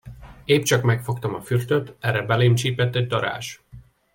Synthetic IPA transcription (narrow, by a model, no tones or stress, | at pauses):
eːpt͡ʃɒkmɛkfo̞kt̪ɒmɒfyrt̪øt̪ɛrɛbɛleːmt͡ʃiːpɛt̪ːɛɟ̚d̪ɒɾa̰ːʃ